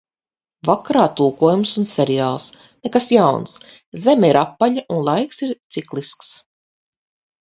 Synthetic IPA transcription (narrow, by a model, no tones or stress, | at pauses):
vakaɾaːt̪ulˠkuɔjumsunsʲeɾiaːlˠs | nekasjawns | zemiɾapːaʎaʔunlˠajksiɾt̪siklˠisks